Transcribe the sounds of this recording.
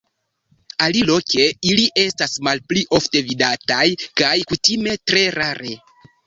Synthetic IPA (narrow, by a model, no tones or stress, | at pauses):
alilo̞ke̞iliʔe̞stasmalpliʔo̞fte̞vidatajkajkutime̞tɾe̞ɾaɾe